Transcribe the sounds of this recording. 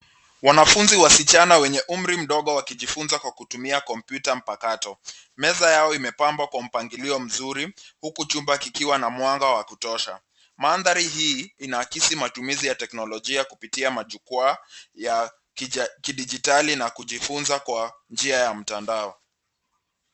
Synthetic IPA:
wanafunziwasit͡ʃanawɛɲɛʔum̩ɾim̩ɗɔɠɔwakiʄifunzakwakutumiakɔmpjutam̩pakatɔ | mɛzajaɔimɛpambwakwam̩paŋɡiliɔm̩zuɾihukut͡ʃumbakikiwanamwaŋɡawakutɔʃa̰ | manðaɾiɦiːinakisimatumizijatɛknɔlɔʄiakupitiamaʄukuaja | kiɗid͡ʒitalinakuʄifunzakwand͡ʒiajam̩tandaɔ

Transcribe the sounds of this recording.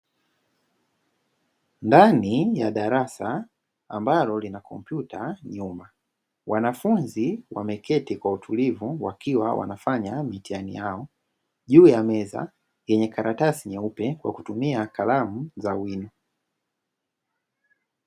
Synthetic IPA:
ndanijaɗaɾasaː | mbalɔlinakɔm̩pjutaɲuma | wanafunziwʔa̰mɛkɛtikwautʰulivuwakʰiwawa̰nafaɲamitianḭjaɔ | ʄuːjamɛza̰ | jɛɲɛkaɾatasiɲɛupɛkwa̰ku̥tumiakalamuzawinɔ

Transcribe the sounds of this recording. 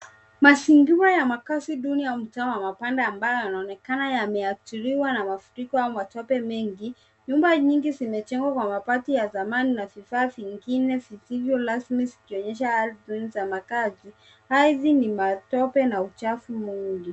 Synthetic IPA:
masiŋɡiwajamakasiɗunijam̩tawamapandaːmbajɔjanaɔnɛkanajamɛatiɾiwanamafuɾikɔaumatɔpɛmɛŋɡi | ɲumbaɲiŋɡizimɛt͡ʃɛŋɡwakwamapatijazamaninavifaːviŋɡinɛvisivjɔlasmizikiɔɲɛʃ̬aalzinzamakazi | haðinimatɔpɛnaut͡ʃafumuŋɡi

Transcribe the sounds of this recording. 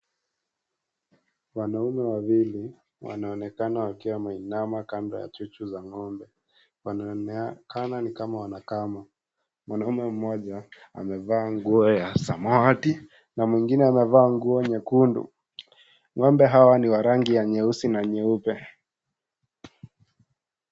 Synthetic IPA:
wanaumɛwawili | wa̰naɔnɛkanawakiwamainamakandɔja̰t͡ʃut͡ʃuzaŋɔmbɛ | wankananikamawanakama | mwanaumɛm̩mɔʄa | a̰mɛvaːŋɡuɔjasamati | namwiŋɡinɛamɛvaːŋɡuɔɲɛkundṵ | ŋɔmbɛɦawaniwaɾaŋɡijaɲɛusinaɲɛupɛ

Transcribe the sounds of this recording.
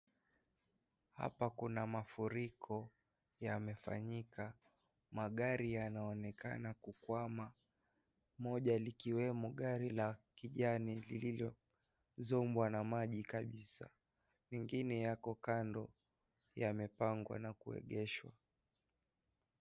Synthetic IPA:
ha̰pakunamafuɾikʰɔ | jamɛfa̰ɲika | maɠaɾijanaɔnɛka̰nakukwama | mɔʄalikiwɛmɔɠaɾilakiʄanilililɔ | zɔmbwanamaʄikaɓisa̰ | mɛŋɡinɛjakɔkandɔ | jamɛpaŋɡwa̰nakuɛ̰ɠɛʃwa̰

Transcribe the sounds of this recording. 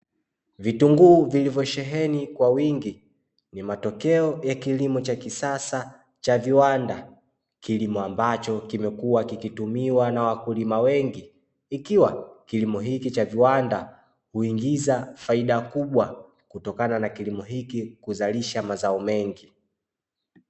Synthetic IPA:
vituŋɡuːvilivjɔʃɛɦɛnikwawiŋɡi | nimatɔkɛɔjakilimɔt͡ʃakisasa | t͡ʃaviwanda | kilimɔambat͡ʃɔkimɛkuwakikitumiwanawakulimawɛŋɡiː | kiwakilimɔɦikit͡ʃaviwanda | huiŋɡizafaiɗakuɓwa | kutɔkananakilimɔɦikikuzaliʃamazaɔmɛŋɡi

